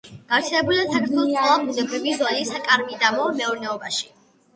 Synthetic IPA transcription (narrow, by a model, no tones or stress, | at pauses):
ɡ̥aɾt̪sʰɛlɛbulidasakʰɛɾt̪ʰɛlˠɔsʰʼɛlˠabʰud̪ɛbɾivizwalisakʼaɾmid̪amɔmɛɔɾnɛɔbaʃi̥